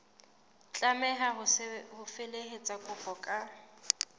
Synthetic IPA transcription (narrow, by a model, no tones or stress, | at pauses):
t͡ɬʼamɛɦaɦʊhʊfeleɦet͡sʼakʼʊpʼɔkʼa